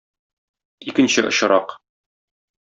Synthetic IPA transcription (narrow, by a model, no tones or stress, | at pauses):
ikɘ̆nɕɘʔŏɕɤ̆ɾɑq